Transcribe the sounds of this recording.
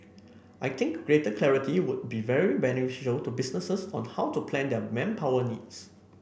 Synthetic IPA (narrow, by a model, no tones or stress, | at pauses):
ʔajt̪ʰɪ̃ŋkɡ̥ɹetəkʰlɛɹitiwʊd̚bivɛɹibɛnɪfiʃəltubisnəsəsɔ̰̃nhawtupʰlɛ̃ndɛmɛ̃mpʰawənids